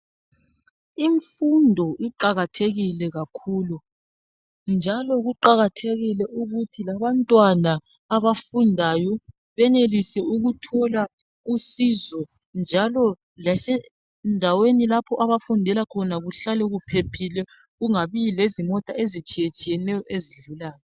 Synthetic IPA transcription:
iɱfundʱɔʔiǃaɣatʰeɣilɛɣakʰulu | nd͡ʒʱalɔɣuǃaɣatʰeɣilɛʔuɣutʰilaβantʼwanaː | βafundʱajɔ | βɛnelisɛuɣutʰɔla | usiːzɔ | nd͡ʒʱalɔ | lasɛ | ndʱawenilapʰɔʔaβafundʱɛlakʰɔnaɣuɬalɛɣupʰepʰilɛ | ɣuŋaβilezimɔtʼaezit͡ʃʼijet͡ʃʼijɛnɛjɔʔeziɮulaːjɔ

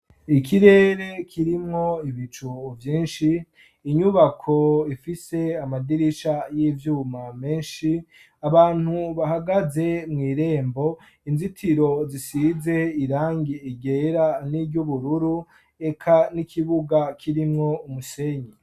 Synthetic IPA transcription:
ikiɾe̞ːɾe̞kʰiɾimŋo̞iβit͡ʃuvjiːnʃiː | ɲuβakʰoifise̞amadiɾiʃajivjuːmame̞ːnʃi | aβaːn̥huβaɦaɡaze̞mŋiːɾe̞ːmbo̞ | inzitʰiɾo̞zisize̞iɾaːŋɡiiɡeɾanibɟuβuɾuɾu | e̞kʰanikʰiβuɡakʰiɾimŋo̞umuse̞ɲi

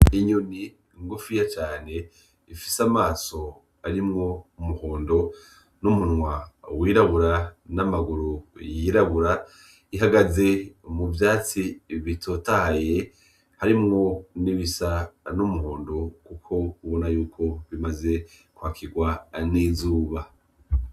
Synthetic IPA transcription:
iɲuni | ŋɡufujat͡ʃaːne̞ | ifi̥samaːso̞ | aɾimŋo̞umuho̞ːndo̞ | numunŋwawiɾaβuɾanamaɡuɾujiɾaβuɾa | iɦaɡaze̞muvjaːt͡siβitʰotaje̞ | haɾimŋo̞niβisanumuɦo̞ːndo̞kukʰo̞uβonajuːkʰo̞βimaze̞ | kwaːkʰiɡwanizuːβa

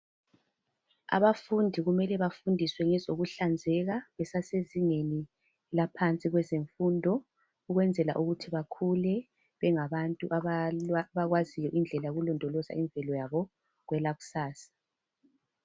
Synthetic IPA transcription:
a̰βafundʱiɣumɛlɛβafundʱiswɛŋɛzoɣuɬand͡zʱɛɣaβɛsaseziŋeni | lapʰant͡sʼiɣwɛzeɱfuːndʱɔ | uɣwɛnd͡zʱɛla̰ʔuɣutʰiβakʰulɛ | βɛŋaβantʼuʔaaβaɣwazijɔʔind͡ɮʱɛlajɣulɔndʱɔlɔza̰iɱvɛlɔjaβɔ | ɣwɛlaɣu̥saːsḁ

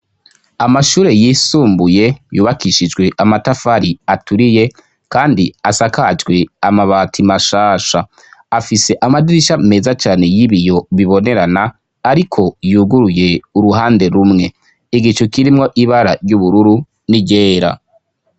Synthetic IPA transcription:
amaʃuːɾe̞jiːsuːmbuje̞juːβakiʃid͡ʒɡwe̞ʔamatafaɾiatuɾije̞ | kaːndiasakad͡ʒɡwe̞amaβaːtʰimaʃaːʃaː | fise̞ʔamadiɾiʃame̞ːzat͡ʃaːne̞jiβijo̞βiβo̞ne̞ɾanaː | ɾikʰo̞juːɡuɾuje̞uɾuɦaːnde̞ɾumŋe̞ | iɡit͡ʃokiɾimŋo̞ʔiβaɾa̰ɾjuβuɾuɾu | niɟeːɾa̰

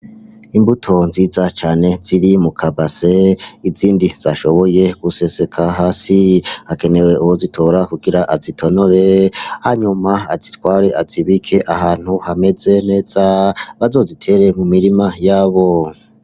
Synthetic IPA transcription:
imbutʰo̞nziːzat͡ʃaːne̞ziɾimukʰabaseiziːndiz̥aʃo̞βo̞je̞ɡ̥use̞se̞kʰaɦaːsihake̞ne̞we̞ʔuhozitʰo̞ːɾakuɡiɾaʔazitʰo̞noɾe̞haɲumaazitwaːɾe̞ʔaziβikʰe̞ʔahaːn̥huhame̞ze̞ne̞ːz̥aβazo̞ːzitʰe̞ɾe̞mumiɾimajaːβo̞

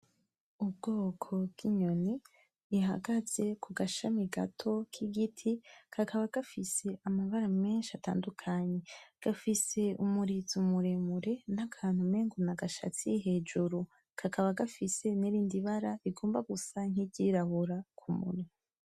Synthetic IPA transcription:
ub̚ɡo̞ːkʰo̞bɡ̥iɲo̞ni | iɦa̰ɡaz̥e̞kʰuɡaʃamiɡa̰tʰo̞kʰiɡitʰikʰakʰaβaɡ̥afise̞amaβaɾame̞ːnʃiata̰ːndukʰaɲe̞ɡ̥afise̞umuɾizumuɾemuɾe̞nakʰaːn̥humeːŋɡunaɡaʃa̰t͡sijiɦe̞ːd͡ʒuɾu | kʰakʰaβaɡafise̞niɾiːndiβaɾaiɡoːmbaɡusaŋ̥iɟiɾaβuɾakʰumṵɾi

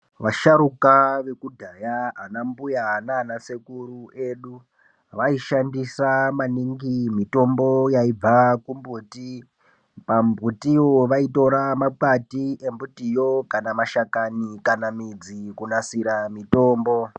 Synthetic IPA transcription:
ʋaʃaɾukaʋe̞kudʱajaːnambujanaːnasekuɾueɗu | ʋaiʃandisamaniŋɡimito̞mbo̞jaib͡vakumbuːti | pambutiwoʋaito̞ɾamak͡patiʔe̞mbutijo̞kanamaʃakanikanamid͡zikunasiɾamito̞ːmbo

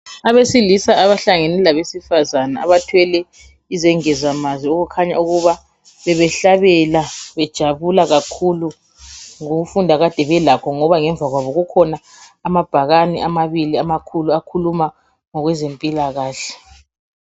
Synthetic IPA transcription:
aβesilisaːβaɬaŋɛnɛlaβesifazana̰a̰βatʰwɛlɛ | izɛŋɛzamazioɣukʰaɲa̰uɣuβa | βɛβɛɬaβɛlaβɛd̥ʒ̥ʱaβulaɣakʰulu | ŋoɣufundʱaɣad̥ʱɛβɛlakʰɔŋɔβaŋɛɱvʱaɣwaβɔɣukʰɔnaː | mab̥ʱaɣanḭʔamaβiliamakʰuluakʰuluma | ŋɔɣwɛzempʼilaɣaːɬɛ̥

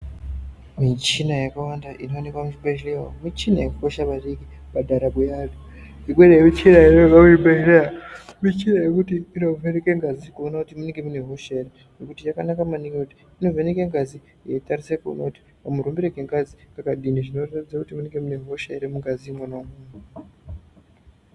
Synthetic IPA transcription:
mit͡ʃinajakawandaʔino̞ːne̞kwamut͡ʃibeʃilewa̰mit͡ʃina̰jekukoʃapaɗiki | padʱaɾabujaːdu | iɡweɾejemit͡ʃinaenoekwamut͡ʃibeʃileaamit͡ʃinajekutiːno̞venekeŋɡazikuonakutimuneŋɡemuneɦo̞ʃere | nokutit͡ʃakanakamanikekuti̥ino̞venekeŋɡazi | jetarisekuo̰na̰uti̥ | amuɾombeɾeɡeŋɡazikakaɗiniʐino̞ratid͡zakutimuneŋɡe̞mune̞ɦo̞ʃeɾemuŋɡazimonamuːnu

